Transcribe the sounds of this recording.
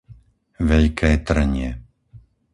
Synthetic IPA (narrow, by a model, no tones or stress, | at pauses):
ʋɛʎkʰɛːt̪r̩ɲɪɛ